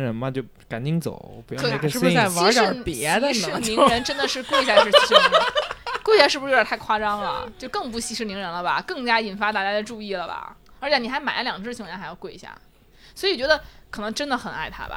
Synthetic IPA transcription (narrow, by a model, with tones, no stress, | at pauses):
ɻə˧˥nmɐ˧t͡ɕjo˥˩ʊ | ka˨˩nt͡ɕi˥˩ŋt͡so̰˨˩˦ʊpu˧˥jkʰɻ̩˥˩˥a˥˩wa˧˥˧ʈ͡ʂə˥˨˧pjɛ˧˥d̪ə˧˥ʂɻ̩˥li˧˥ɻə˧˥nʈ͡ʂə˥nd̪ə˨ʂɻ̩˥˧kwe˥˩ɪi˥ɕja˥˧ʂɻ̩˥˩˥kwi˧˥ja˥˧ʂɻ̩˥˩u˧˥˧a˥˩ɪkʰwa˥˧ʈ͡ʂɑ˥ŋlə̰˨t͡ɕjo˥˧ʊkɤ˥˧ŋp̬u˧˥˩ɕi˥ʂɻ̩˥˩ni˧˥ŋɻə˧˥nlə˧bɐ̰˨kɤ˥˩ŋt͡ɕja˥i˨˩nfa˧˥t̪a˥˧˩t͡ɕja˥ə˥˧ʈ͡ʂu˥˧i˥˩lə˩bɐ̰˩ə˧˥t͡ɕʰɛ˧˥˩ni˩xa˧˥ɪma˨˩ɪlə˦ljɑ˨˩ŋʈ͡ʂɻ̩˥˩t͡ɕʰŋɻɛ˧˥nxa˧˥ɪjʊkwɪi˧˩ɕja̰˥˩ | swɔ˧˥i˨wɔ˨˩t͡ɕɥɛ˧˥d̪ə˧kʰɤ˨˩nɤ˧˥ŋʈ͡ʂə˥nd̪ə˨xə˨˩na̰˥˩ɪt̪ʰa̰˥bɐ̰˨